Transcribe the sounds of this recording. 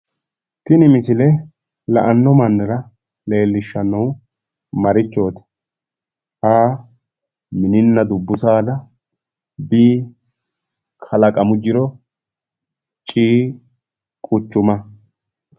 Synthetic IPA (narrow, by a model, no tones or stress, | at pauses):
t̪ɪnɪmɪsɪlɛ | lɐ̰ʔɐnːɔmɐnːɐɾɐ | le̞ːlːɪʃːɐnːɐw | mɐɾɪt͡ʃːo̞ːt̪ɛ̥ | haː | mɪnɪnːɐd̪ʊbːʊsaːd̪ɐ | biː | kʰɐlɐkʼɐmʊd͡ʒɪɾɔ | t͡ʃʼiː | kʼʊt͡ʃːʊmɐ